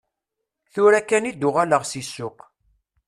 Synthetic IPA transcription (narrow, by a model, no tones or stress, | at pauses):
θʊɾækːænid̪ʊʁaləʁsisːʊq